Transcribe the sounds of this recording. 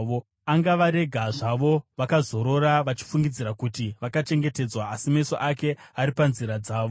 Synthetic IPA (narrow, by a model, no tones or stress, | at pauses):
o | aŋɡaʋaɾe̞ɡʱaʐaʋo̞ʋakazo̞ɾo̞ɾaʋat͡ʃi̥fuŋɡid͡ziɾakutiʋakat͡ʃe̞ŋɡe̞te̞d͡zwaːsimeiso̰ʔake̞aɾipanziɾad͡zaːʋo